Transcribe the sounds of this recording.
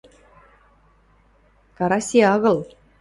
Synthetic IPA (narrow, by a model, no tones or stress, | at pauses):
kɑɾɑsʲiɑɣɤ̆lˠ